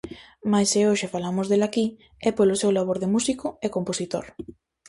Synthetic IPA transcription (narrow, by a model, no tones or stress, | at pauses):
majseoʃefalamʊzðelaki | ɛpolʊsewlaβ̞oɾðemusikʊɛkomposit̪o̰ɾ